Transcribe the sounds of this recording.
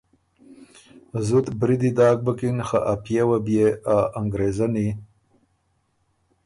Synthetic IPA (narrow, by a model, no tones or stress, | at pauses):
zut̪bɾid̪id̪ɑːk̚bakinxa̰ʔapjewabjeaʔaŋɡɾezani